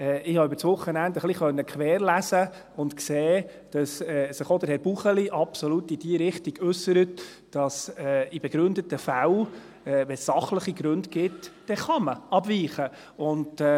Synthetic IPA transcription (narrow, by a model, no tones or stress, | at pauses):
ɛʔɪhɑʏbəɾt͡sʋʊχːənændəχliχœnːəkʰʋɛːɾlæsə | ʊntkseː | d̥ɑsɛːsəχod̪əɾhɛɾb̥uχəliʔɑpsɔlutid̥iəɾɪχtiɡ̥ʉsːəɾət | d̥ɑsɛːibɛɡ̥ɾʏnd̪ətəfæw | ɛːvɛsːɑχləχiɡɾɵndɡɪtː | ɛχɑməɑbviːχə | ʊnd